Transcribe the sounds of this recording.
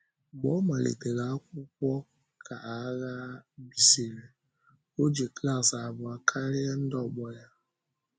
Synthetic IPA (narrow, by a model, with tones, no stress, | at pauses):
ɡ͡bɔ˦ma˨lḛ˨te˨ɣa˨˦kʷʊ˦k̚ʷɔ˦ | kʰa˨ʔa˨˦ɣa˦bi˨se˨le˨ | o˦d͡ʒe˨kla˦˨sa˨bʊ˨a˨kʰa˦ɾɪ˦a˦n̩˦dɔ˦˨ɡ͡bɔ˦ja˦